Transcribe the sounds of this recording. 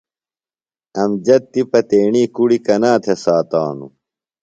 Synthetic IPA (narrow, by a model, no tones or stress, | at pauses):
ɐmd͡ʑɐt̪ːipɐt̪eːɳiːkuɽikɐnaːt̪ʰesaːt̪aːnṵ